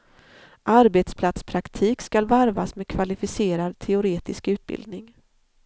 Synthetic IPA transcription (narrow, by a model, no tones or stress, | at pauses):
ʔaɾbeːt̪spʰlat̪spʰɾakt̪ʰiːkskalvaɾvasmeːd̪̚kʰvalɪfɪseːɾad̪t̪ʰɛʊɾeːt̪ɪskʉ̟ːt̪̚bɪ̰ld̪̚nɪŋ